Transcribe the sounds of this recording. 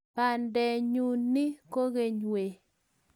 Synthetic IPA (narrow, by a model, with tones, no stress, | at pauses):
pa˨ndɛ˨ɲu˨nːi˦ko˦ɣe˦ɲwe˨